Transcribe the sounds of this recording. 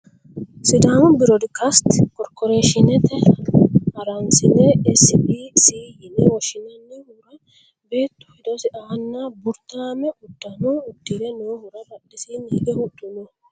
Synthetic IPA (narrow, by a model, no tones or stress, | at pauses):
sɪd̪aːmʊbɪɾɔd̪ɪkɐst̪kɔɾkːɔɾeːʃɪnɛt̪ɛ | ɐɾɐnsɪnːɛɛsɪiːsiːjɪnɛwɔʃɪnɐnːɛhuɾɐ | be̞ːt̪ːʊ̥hɪd̪ɔsɪʔaːnːabʊɾt̪ːaːmɛʔʊd̪ːɐnuːʊd̪ːɪɾɛnoːhʊɾɐɾɐdːɪsiniːɡɛhʊt̪ːʊnɔ